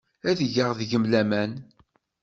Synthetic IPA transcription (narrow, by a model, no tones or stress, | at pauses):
æðʝəʁðʝəmlæmæn